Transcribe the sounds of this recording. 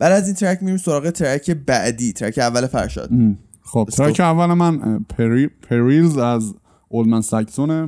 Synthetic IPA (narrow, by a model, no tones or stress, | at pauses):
bæliæziːnt̪ʰeɾæcʰmiɾimso̞ɾɒːɣet̪ʰeɾæcʰe̞bæʔd̪iːt̪ʰeɾæ̰kcʰeævːælefæ̰ɾʃɒ̰ːd̪̥ | xob̪ɾkʰeævːælemænpʰeɾipʰeɾilzæz | olmænsæcsone